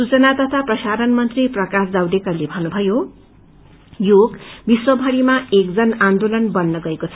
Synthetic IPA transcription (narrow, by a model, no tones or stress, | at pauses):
sut͡sʌnat̪ʌt̪ʰaprʌsaɾʌnmʌnt̪riprʌkasd͡zawdekalebʱʌnubʱʌjo | joɡbiswʌbʱʌɽimaek̚d͡zʌnãnd̪olʌnbʌnːʌɡʌekot͡sʰʌ